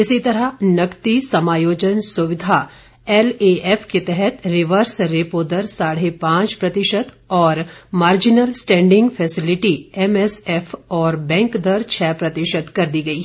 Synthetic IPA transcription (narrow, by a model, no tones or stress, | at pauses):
ɪsit̪ɐɾəɦnɐkt̪isɐmaːjoːd͡ʒənsʊʋɪd̪ʱa | ɛːleʔɛfket̪ɛɦɛt̪ɾɪʋəɾsɾeːpoːd̪əɾsaːɽ̤epãːt͡ʃpɾɐt̪ɪʃət̪ | ɔːɾmaːɾd͡ʒɪnəlsʈɛ̃ːɳɖɪ̃ŋɡfʰɛːsɪlɪʈiɛmɛsɛfɔːɾbɛ̃ːŋkd̪ɐɾt͡ʃʰɛːpɾɐt̪ɪʃət̪kɐɾd̪iɡɐiː